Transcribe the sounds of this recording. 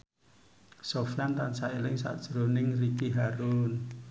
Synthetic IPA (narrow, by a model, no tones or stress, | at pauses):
sofijant̪ansaelɪŋsa̰ʔd̥ʒ̥ɾonɪŋrikiɦaɾun